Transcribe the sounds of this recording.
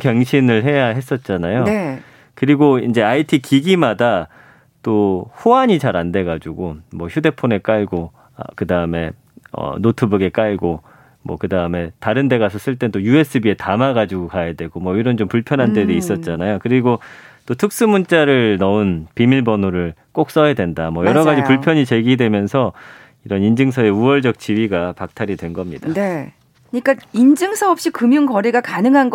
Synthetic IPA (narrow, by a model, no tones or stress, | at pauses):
kjʌŋɕʰinɯɭɦe̞jaɦe̞s͈ʌt̚t͡ɕ͈anajo | kɯɾiɡoind͡ʑe̞aitʰikiɡimada | t͈ohoaɲit͡ɕaɾande̞ɡad͡ʑuɡomwʌçʰude̞pʰone̞k͈aɭɡo̰ | kɯdaɯme̞ | ʌ̰notʰɯbɯɡe̞k͈aɭɡo | mwʌ̰kɯdaɯme̞taɾɯnde̞ɣasʰʌs͈ɯɭt͈et͈ojue̞s͈ʰɯbie̞tamaɡad͡ʑuɡokajadwe̞ɡomwʌiɾʌnt͡ɕompuɭpʰjʌnɦande̞deiss͈ʌt̚t͡ɕ͈anajokɯɾiɡot͈otʰɯk̚s͈ɯmunt͡ɕ͈aɾɯɭnʌunpimiɭbʌnoɾɯɭk͈ok̚s͈ʌjadwe̞ndamwʌjʌɾʌɡad͡ʑipuɭpʰjʌɲit͡ɕe̞ɡidwe̞mjʌnsʰʌ | iɾʌnind͡ʑɯŋsʰʌe̞uʌɭd͡ʑʌk̚t͡ɕ͈iɥiɡapak̚tʰaɾidwe̞nɡʌmɲid̥ade | kɯɲik͈aind͡ʑɯŋsʰʌʌp̚ɕ͈ikɯmjuŋkʌɾiɡakanɯŋɦanɡ